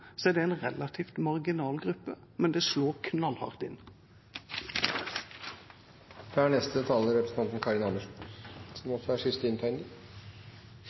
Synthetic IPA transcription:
sɔæɖ̪ɛɛɪnʁɛlɑt̪ʰiːft̪mɑʁɡɪnɑːlɡʁʉpːə | mɛnd̪eːsloːʁkʰnɑlhɑ̰ʁt̪ɪ̰n | d̥̪ɛæːɳɛst̪ət̪ʰɑːləɾɛpɾəsn̩ʰɑnt̪n̩kʰɑɾɪnɑnd̪əʂsɔmɔsɔæʂʏst̪əɪnt̪ʰæɪŋd̪ə

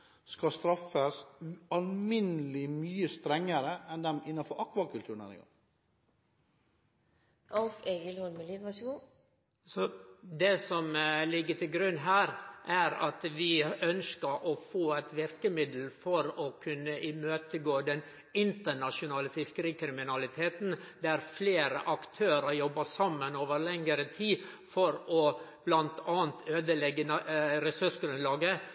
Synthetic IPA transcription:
skɑst̪ɾɑfəsʉɑlmɪnəlɪmyːəst̪ɾɛŋːəɾəʔɛnd̪ɛmɪnːɑfɔɾʔɑkʋɑkʰʉlt̪ʉːəɳ̩nɛ̰nɪ̰ɡɑ̰ŋ | ʔɑlfeɡəlhɔlməliːnʋɑʃəɡoː | sɔd̪ɛsɔmlɪɡːəʈ̪ɪlɡɾʉnːɦæːɾʔæɾɑ̰t̪ʋɪœnskəɾʔɔfoːæt̪ʋɪɾkəmɪd̪l̩fɔɾɔkʰʉnːəʔɪmøːt̪əɡoːd̪ɛn | ɪnt̪əɳɑʂʊnɑːləfɪskəɾiːkʰɾɪmɪnɑlɪt̪ʰeːt̪n̩d̪ɛæɾfleːɾə̰ʔɑkt̪ʰøːɾəɾjɔbːɑsɑmːənoːʋəɾlɛŋəɾət̪ʰiːfɔɾɔb̥lɑnt̪ʰɑːnt̪ʰøːd̪əlɛɡːənɾɛsʉʂɡɾʉnlɑːɡə

